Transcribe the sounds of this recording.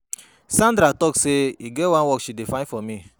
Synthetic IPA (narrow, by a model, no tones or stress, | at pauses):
sãndɾatɔkseiɡɛtwãnwɔkʃidefãnfɔmi